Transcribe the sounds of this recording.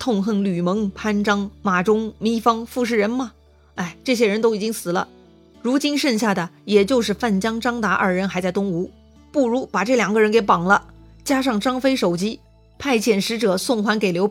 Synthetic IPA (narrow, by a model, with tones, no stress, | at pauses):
t̪ʰʊ˥˧ŋxə˥˩nly˨˩mɤ˧˥ŋpʰa˥nʈ͡ʂɑ˥ŋma˨˩ʈ͡ʂʊ˥ŋmi˥fɑ˥ŋfu˥˧ʂ̬ɻ̩˥˩ɻə˧˥nmɐ˧ | a˥˩ɪʈ͡ʂɤ˥˩ɕ̬jɛ˥ɻə˧˥nt̪o˥ʊi˨˩t͡ɕi˥ŋsɹ̩˨˩lə̰˦ | ɻu˧˥t͡ɕi˥nʂə˥˧nɕja˥˩d̪ə˩jɛ˨˩t͡ɕjo˥˧ʊʂɻ̩˥˧fa˥˩nt͡ɕjɑ˥ŋʈ͡ʂɑ˥ŋt̪a˧˥ʔɐ̰˞˥˩ɻə˧˥nxa˧˥ɪt͡sɪt̪ʊ˥ŋu˧˥ | pu˥˩ɻu˧˥pa˨˩ʈ͡ʂɤ˥˩ljɑ˨˩ŋɡə˧ɻə˧˥nke˧˥ɪpɑ˨˩ŋlə̰˦ | t͡ɕja˥ʂ̬ɑ˥˩ŋʈ͡ʂɑ˥ŋfe˥ɪʂo˨˩ʊt͡ɕi˥ | pʰa˥˩ɪt͡ɕjɛ˨˩nʂɻ̩˧˥ʈ͡ʂɤ˨˩˦sʊ˥˩ŋxwa˧˥nke˨˩ɪljo˧˥